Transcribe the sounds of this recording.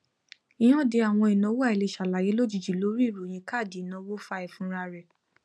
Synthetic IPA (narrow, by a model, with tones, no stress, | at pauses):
i˨j̃ɔ̃˦de˧a˨w̃ɔ̃˧i˨nɔ̃˨˦wo˦a˦˨i˨le˧˨ʃa˨la˨je˨˦lo˦d͡ʒi˨d͡ʒi˨lo˨˦ɾi˦˨ɾu˨j̃ĩ˧ka˦˨di˨nɔ̃˧˦wo˦fa˦ɛ˨fũ˦ɾa˧ɾɛ˨